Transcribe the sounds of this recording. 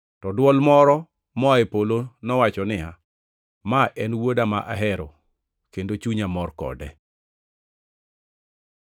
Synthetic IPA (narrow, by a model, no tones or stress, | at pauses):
tɔdwɔlmɔɾɔ | mɔaepolonɔwat͡ʃɔnɪa | maʔɛnwodama̰ʔa̰ɦɛɾɔ | kendot͡ʃuɲamɔrkɔ̰dɛ